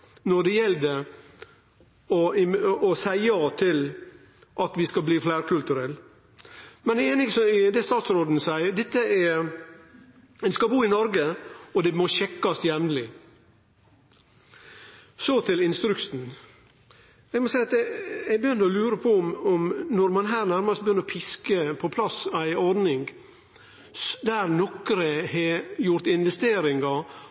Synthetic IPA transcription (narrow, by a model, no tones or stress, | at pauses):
nɔɖ̪ɛjɛlːd̪ɛ | ɔɪɔsæɪɑt̪ʰɪl | ʔɑt̪ʋɪskɑbliːflæɪɾkʰʉlt̪ʉɾɛlː | mɛnɛeːnɪsɔɪd̪ɛst̪ɑːt̪sɾoːd̪nəsæɪəd̪ɛt̪ːəæ | d̪ɛskɑbuːɪnɔɾɡəɔd̪ɛmɔɕɛkːɑsjɛmnlɪ | sɔt̪ʰɪlɪnst̪ɾʉksn̩ | ɛɡmɔsæɪɑt̪ɛæbəjʏnd̪əɔlʉːɾəpʰɔmɔmnɔɾmɑnɦæːɾnæɾmɑst̪̚bəjʏnːəɾɔpʰɪskəpʰɔpʰlɑsæɪɔɾdnɪŋɡ | d̪æɾnɔkɾəhɛjʊɾt̪ɪnʋɛst̪eːɾɪŋɑ